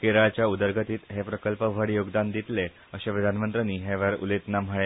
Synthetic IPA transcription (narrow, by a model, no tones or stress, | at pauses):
keɾaɭt͡ɕjaud̪əɾɡʱət̪iːt̪ɦepɾəkəlpəʋʱəɽjoɡd̪and̪it̪le | əɕepɾəd̪ʱanmənt̪ɾəniːɦeʋəɾṵlet̪nam̤əɭe